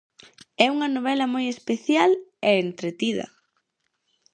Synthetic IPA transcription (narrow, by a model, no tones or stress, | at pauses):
ɛuŋɐnoβ̞ɛlɐmojespeθjaleent̪ɾet̪iðɐ̰